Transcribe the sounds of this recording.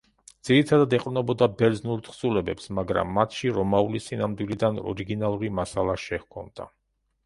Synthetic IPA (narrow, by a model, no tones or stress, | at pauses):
d̪z̥iɾit̪ʰad̪ad̪ɛqʼɾnɔbɔd̪abɛɾd̪znulˠt̪ʰχsulɛbɛpsmaɡɾa̰mːat̪ʰʃiɾɔmaulisinamd̪wilid̪anɔ̰ɾiɡinalˠuɾimasalˠaʃɛhkʰɔ̰md̪a̰